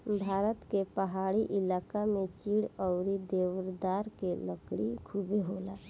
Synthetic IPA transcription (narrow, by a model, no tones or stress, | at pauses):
bʱaːɾət̪kepəɦaːɽiʔɪlaːkamẽt͡ʃiːɽɔʊɾid̪eːwɾd̪aːɾkeləkɽikʰubeɦoːla